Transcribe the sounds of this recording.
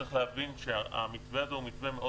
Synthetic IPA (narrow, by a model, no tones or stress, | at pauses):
iχlehavinʃea̰mitveazeumit̪vemeo